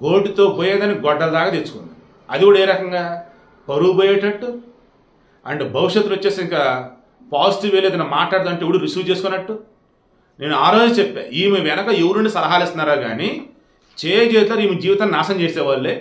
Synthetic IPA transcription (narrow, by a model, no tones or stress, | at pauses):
ɡo̞ːʈit̪o̞ːpoːjeːd̪ɐniɡɔɖːɐld̪aːkaːt̪esu̥kun | ɐd̪iɡuːɽɐeːɾɐkɐŋɡaː | pɐɾuboːjeːʈɐʈːu | ɐ̰ɳɖebʱɐʋiʂjet̪ːulot͡ʃːeːsiiŋka | paːsi̥ʈiːʋeːleːd̪ɐnɐmaːʈlaːɽt̪ːɐɳʈeiʋuɽuɾisuːt͡ʃe̞ːsukunːɐʈːu | ne̞ːnuaːɾo̞ːd͡ʒut͡ʃepːa̰ːɾiːmiʋɛnɐkɐewuɾnuɳɖisɐɾɐɦaːlist̪unːaːɾaːɡa̰ːni | t͡ʃeːjɐd͡ʒeːt̪ːlaːɾiːmid͡ʒiːʋit̪aːnːinaːʃɐɲt͡ʃeːsɛːʋaːlːeː